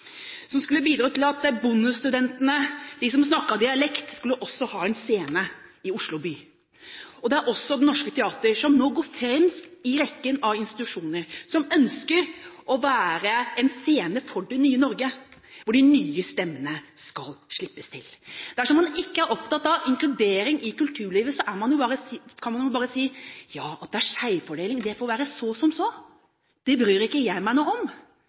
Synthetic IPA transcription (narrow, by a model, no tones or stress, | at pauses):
sɔmskʉlːəbiːd̪ɾɑːt̪ɪlɑt̪bʊnʉst̪ʉd̪ɛnt̪ənəd̪ɪsɔmsnɑkːɑd̪ɪɑlɛkt̪skʉlːəʔɔsːɔhɑːɛnseːnəɪʊʂlʊbyː | ɔd̪ɛæɾʔɔsːɔd̪ɛnɔʂkət̪ʰɛɑːt̪əɾʂɔmnoːɡoːɾfɾɛmsɪɾɛkːənɑʋɪnst̪ɪ̥t̪ʉʂuːnəɾsɔmœnskəɾʔɔʋæːɾəɛnseːnəfɔɖɛnyːənɔɾɡəʋʊɖɪnyːəst̪ɛmːənə | skɑlʂɭɪpːəst̪ʰɪ̰ld̪̥æʂɔmɑnɪkːəæɾʔɔpt̪ɑt̪ːɑʋɪŋklʉd̪eːɾɪŋʔɪkʉlt̪ʰʉːɭiːʋəsɔʔæɾmɑnjʊbɑːɾəskʰɑnmɑnjʊbɑːɾəsiːjɑːɑt̪̚d̪ɛæʂæɪfɔɖeːlɪŋd̪ɛfoːɾʋæːɾəsɔsɔmsɔ | d̪̥ɛbɾyːɾɪkːəjæɪmæɪnoɔm